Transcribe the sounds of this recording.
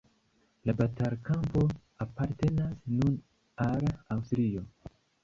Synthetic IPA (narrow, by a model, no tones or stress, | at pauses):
labataɾkampo̞ | apaɾte̞nasnun | alawstɾio̞